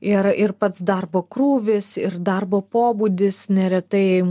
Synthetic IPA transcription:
ɪɾɪɾpɐt̪sd̪ɐɾboːkɾuːʋʲɪsɪɾd̪ɐɾboːpoːbuːd̪ʲɪsnʲɛɾʲɛt̪ɐɪɛɪ

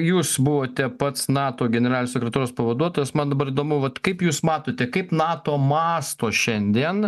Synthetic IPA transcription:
juːsbʊʋoːt̪ʲɛpɐt̪snɑːt̪oːɡʲɛnʲɛɾɑːlʲnʲosʲɛkɾʲɛt̪oːɾoːspɐʋɐd̪uɔt̪oːjɛsmɐnd̪ɐbɐɾiːd̪oːmʊʋɐt̪kɐɪpjuːsmɑːt̪oːt̪ʲɛkɐɪpnɑːt̪oːmɑːst̪oːʃʲɛnʲd̪ʲiɛn

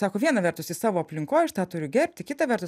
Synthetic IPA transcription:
sɑːkoːʋʲiɛnɐʋʲɛɾt̪ʊsɪsɑːʋoːɐpʲlʲɪŋkoːjɐʃt̪ɑːt̪ʊɾʲʊɡʲɛɾʲpʲt̪ʲɪkʲɪt̪ɐʋʲɛrt̪ʊ

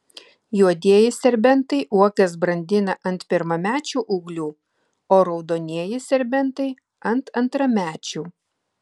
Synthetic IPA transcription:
juɔd̪ʲiɛjɪsʲɛɾʲbʲɛnt̪ɐɪʔuɔkʲɛsbɾɐnʲd̪ʲɪnɐʔɐnt̪pʲɪɾmɐmʲæːt͡ʃʲuːʔuːɡlʲuː | oːɾɐʊd̪oːnʲiɛjɪsʲɛɾʲbʲɛnt̪ɐɪ | ɐnt̪ɐnt̪ɾɐmʲæːt͡ʃʲuː

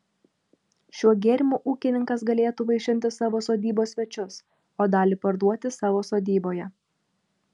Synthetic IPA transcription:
ʃʲuɔɡʲeːɾʲɪmʲuːʔuːkʲɪnʲɪŋkɐs̬ɡɐlʲeːt̪uːʋɐɪʃʲɪnʲt̪ʲɪsɑːʋoːsoːd̪ʲiːboːsʲʋʲɛt͡ʃʲʊs | oːd̪ɑːlʲipɐɾd̪uɔt̪ʲɪsɑːʋoːsoːd̪ʲiːboːjɛ

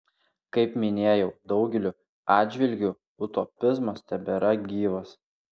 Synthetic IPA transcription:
kɐɪpmʲɪnʲeːjɛʊd̪ɒʊɡʲɛlʲʊ | ɑːd̪ʲd͡ʒʲʋʲɪlʲɡʲʊ | ʊt̪opʲɪzmɐst̪ʲɛbʲɛɾɐɡʲiːʋɐs

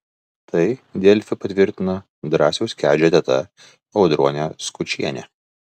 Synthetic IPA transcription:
t̪ɐɪd̪ʲɛlʲfʲɪpɐt̪ʲʋʲɪɾʲt̪ʲɪnɐ | d̪ɾɑːsʲɛʊsʲkʲæːd͡ʒʲɛt̪ʲɛt̪ɐ̰ | ɐʊd̪ɾuɔnʲeskʊt͡ʃʲiɛnʲɛ

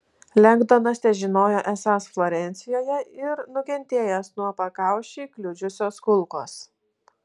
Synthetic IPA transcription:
lʲɛŋɡd̪oːnɐsʲt̪ʲɛʒʲɪnoːjoːʔɛsɑːsflˠoːɾʲɛnʲt̪sʲɪjoːjɛɪɾnʊkʲɛnʲt̪ʲeːjɛsnuɔpɐkɑˑʊʃʲiːklʲʊd͡ʒʲʊsʲoːskʊlˠˑko̰ːs

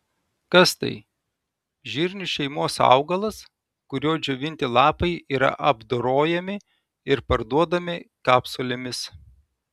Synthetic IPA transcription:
kɐst̪ɐ̰ɪ | ʒʲiːɾʲnʲʊʃʲɛɪmoːsɑ̰ʊɡɐlˠɐs | kʊɾʲoːd͡ʒʲoʋʲɪnʲt̪ʲɪlˠɑːpɐɪiːɾɐ̰ʔɐbd̪oːɾoːjɛmʲɪ | ɪɾpɐɾd̪uɔd̪ɐmʲɪkɑːpsoːlʲɪmʲɪs

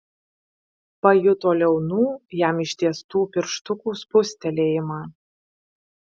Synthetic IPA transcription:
pɐjʊt̪oːlʲɛʊnuːjæmɪʃʲt̪ʲiɛst̪uːpʲɪɾʃt̪ʊkuːspʊsʲt̪ʲɛlʲeːjɪmɑː

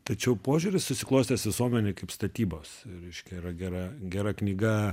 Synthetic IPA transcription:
t̪ɐt͡ʃʲɛʊpoːʒʲʊɾʲɪssʊsʲɪklˠoːsʲt̪ʲesʋʲɪsuɔmʲɛnʲeːkɐɪpst̪ɐt̪ʲiːboːsɾʲɛɪʃʲkʲɛiɾɐɡʲæɾɐɡʲæɾɐknʲiːɡɐ

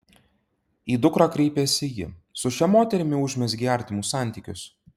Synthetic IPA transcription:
iːd̪ʊkɾɑːkɾʲɛɪpʲeːsʲɪjɪ̰sʊʃʲɛmoːt̪ʲɛɾʲɪmʲɪʊʒʲmʲɛsɡʲæˑɾʲt̪ʲɪmuːsɑˑnʲt̪ʲiːˑkʲʊs

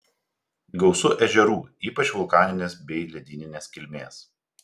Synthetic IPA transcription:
ɡɐʊsʊʔɛʒʲɛɾuːiːpɐt͡ʃʋʊlˠkɑːnʲɪnʲeːsbʲɛɪlʲɛd̪ʲɪːnʲɪnʲeːskʲɪlʲmʲeːs

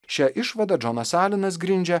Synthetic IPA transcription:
ʃʲæʔɪʃʋɐd̪ɐd͡ʒɔnɐsæːlʲɪnɐs̬ɡɾʲɪnʲd͡ʒʲɛ

